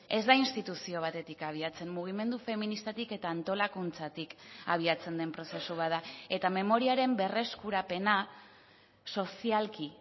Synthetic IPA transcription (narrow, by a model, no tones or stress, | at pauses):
e̞zd̪ainst̪it̪usio̞β̞at̪e̞t̪ikaβ̞iat͡se̞mmuɣ̞ime̞nd̪ufe̞minist̪at̪ike̞t̪aːnt̪o̞lakunt͡sat̪ikaβ̞iat͡se̞nd̪e̞mpɾo̞se̞suβ̞aðae̞t̪ame̞mo̞ɾiaɾe̞mbe̞re̞skuɾape̞na | so̞sialki